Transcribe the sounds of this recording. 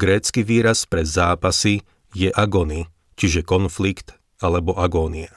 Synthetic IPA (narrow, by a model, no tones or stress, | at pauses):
ɡɾɛːt͡skiʋiːɾaspɾɛzaːpasi | jɛʔaɡɔni | t͡ʃiʒɛkɔnflikt̪ | alɛbɔʔaɡɔːnia